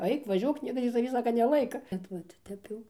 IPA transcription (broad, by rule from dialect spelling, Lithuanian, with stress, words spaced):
ˈɐɪk ʋɐˈʒʲuɔk ˈnʲiɛkɐs tʲiː tɐˈʋʲiː ˈsɑːkɐ nʲɛˈlˠɐɪkɐ ˈbʲɛt ʋɐt ˈtʲɛp jɛʊ